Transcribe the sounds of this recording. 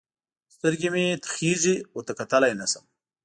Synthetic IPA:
st̪əɾɡimet̪xiziot̪akat̪alajnasəm

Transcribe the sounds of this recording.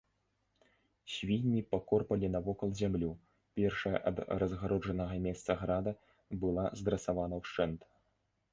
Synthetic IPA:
sʲvʲinʲːipakɔrpɐlʲinɐvɔkɐlˠzʲamlʲu | pʲɛrʂɐjɐ̰ʔɐ̰d̪ɾɐzɣaɾʔɔd͡ʐɐnɐɣɐmʲɛst̪sɐɣɾad̪ɐ | bɨlˠa̰zd̪ɾɐsavanɐwʂt͡ʂɛnt̪

